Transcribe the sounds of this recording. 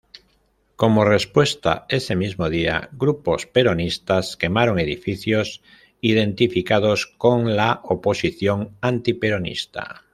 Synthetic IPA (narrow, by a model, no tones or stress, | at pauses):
ko̞morespwe̞st̪a̰e̞semizmoðia̰ɡɾupospe̞ɾonist̪aske̞maɾoŋe̞ðifiθjos | ið̞ẽ̞nt̪ifikað̞oskoŋlaopo̞siθjoŋant̪ipeɾonḭst̪a̰